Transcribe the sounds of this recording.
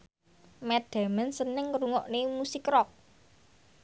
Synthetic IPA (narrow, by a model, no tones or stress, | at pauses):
mɛd̥a̤mənsənɪŋɾuŋɔʔnemusikɾɔk̚